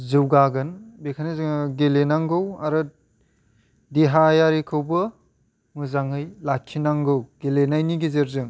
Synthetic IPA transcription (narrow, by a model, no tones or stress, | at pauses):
zɯwɡaɡɯnbekʰanizɯŋɡelenaŋɡɯwaɾɯ | deɦajaɾikʰɯwbɯ | mɯzaŋɯjlakʰːinaŋɡɯwɡelenajniɡezeɾzɯŋ